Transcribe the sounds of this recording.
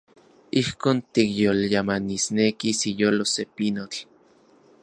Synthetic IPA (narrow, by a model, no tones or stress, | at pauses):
ihkoːnt̪ikjoljamanisnekisijolosepinot͡ɬ